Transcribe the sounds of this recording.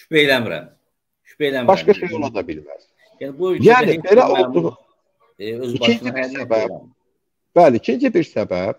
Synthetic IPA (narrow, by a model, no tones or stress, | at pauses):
ʃy̥pejlæmiɾæ̰m | ʃy̥pejlæmbɑʃkɑʃujolˠɑd̪ɑbilmæ̰z̥ | jænbujæːnibeɾæʔolˠd̪uʁ | øzicʰind͡ʒibiɾsæbæb | b̥æliicʰind͡ʒibiɾsæbæb̥̚